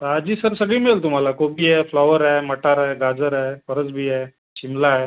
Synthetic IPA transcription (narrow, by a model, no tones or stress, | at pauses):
t̪əad͡ʑiːsəɾsəɡɭiːmiɭlt̪um̤alakobiɛflaʋəɾajməʈaɾajɡad͡zəɾafəɾət͡sbʱiɛ | ɕimlae